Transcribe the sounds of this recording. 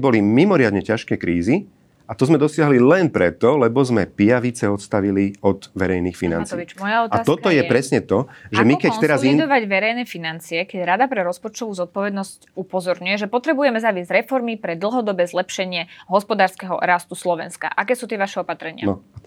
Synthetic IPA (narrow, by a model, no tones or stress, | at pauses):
bɔlimimɔɾɪad̪ɲɛcaʃkɛːkɾiːzi | at̪ɔzmɛd̪ɔsɪaɦlilɛnpɾɛt̪ɔlɛbɔzmɛpijaʋit͡sɛɔt̪st̪aʋiliɔd̪ʋɛɾɛjniːxfina̰nt͡s̪ɔʋit͡ʃmmɔjaɔtaat̪ɔt̪ɔjɛpɾɛsɲɛt̪ɔʒɛmikɛɛɾazid̪ɔʋaɟʋɛɾɛjnɛfinant͡siɛkɛɟɾad̪apɾɛɾɔspɔt͡ʃt̪ɔʋuːzɔt̪̚pɔʋɛd̪nɔscupɔzɔɾɲujɛʒɛpɔt̪ɾɛbujɛmɛzaʋɪɛzɟɾɛfɔɾmipɾɛd̪l̩ˠɦɔd̪ɔbɛːzlɛpʃɛɲɪɛɦɔspɔd̪aːɾskɛɦɔ̰ɾast̪uslɔʋɛ̰nska̰ʔakɛːsuːt̪ɪɛʋaʃɛɔpat̪ɾɛɲɪanɔ